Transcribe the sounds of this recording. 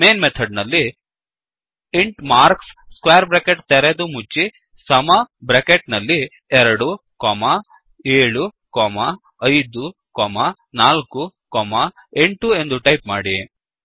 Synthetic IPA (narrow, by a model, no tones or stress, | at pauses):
meːnmet̪ʰɐɖnɐlːi | iɳʈmaːɾksskʋeːɾbɾekeʈt̪ɛɾed̪umut͡ʃːi | sɐmɐbɾekeʈnɐlːi | ɛɾɐɽu | kɔːmɐ | eːɭukɔːmɐ | ɐjd̪ukɔːmɐ | naːlkukɔːmɐ | eɳʈue̞nd̪uʈɐjpmaːɽi